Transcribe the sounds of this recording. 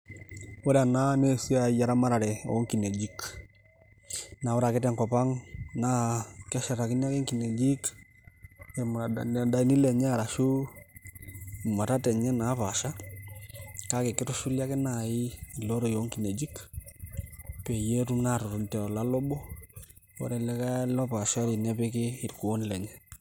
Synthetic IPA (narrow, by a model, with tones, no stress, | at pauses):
wo˦ɾa˨na˦ne˦su˦ja˨ja˨ɾa˦ma˦ɾa˨ɾɛ˨ɔ̰˨˦ŋki˨ne˨d͡ʒi˦k | na˨wɔ˦ɾa˨kɪ˦tɛ˨ŋkɔ˨pa˦ŋna˦kɛ˦ʃɛ˨ɾa˨kɪ˦n˦a˦kɛ˦ŋki˨ne˨d͡ʒi˦k | ɛ˨m˨da˦i˦ni˦lɛ˨ɲa˦˨ɾa˨ʃu˦˨ | ma˨ta˦tɛ˨ɲɛ˦na˨˦pa˨ʃa˦ | ka˦ke˨kɪ˦tʊ˦ʃu˦lja˦kɪ˦na˨ɪ˦i˨lo˦ɾo˨jo˦ŋki˨ne˨d͡ʒi˦k | pɛ˨je˦ɾu˦mna˦ɾʊ˨ɾu˨ntɛ˨ɔ˨la˦lɔ˦bɔ˦ | ɔ̰˦ɾɛ˨lɛ˦ka˦lɔ˦pa˨ʃa˦ɾi˨nɛ˦pe˦kɪ˦ɪ˨ɾku˨o˦nlɛ˨ɲɛ˦